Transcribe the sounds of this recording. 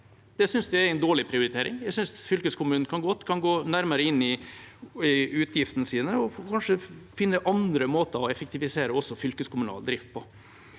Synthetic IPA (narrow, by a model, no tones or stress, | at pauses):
d̪̥ɛsʏnsd̪ɛæɾæɪnd̪oːɭɪpʰɾɪʊɾɪt̪ʰeːɾɪ̰ŋjæɪsʏnsfʏlkəskʰʊmʉːnn̩kʰɑnɡɔt̪ːkʰɑnɡoːnæɾməɾəɪnːɪ | ɪʉːt̪ʰjɪft̪nəsiːnəɔkʰɑnʂəfɪnːəʔɑnd̪ɾəmoːt̪əɔɛfəkt̪ɪʋɪseːɾəɔsːɔfʏlkəskʰʊmʉnɑ̰ːld̪ɾɪft̪̚pʰɔ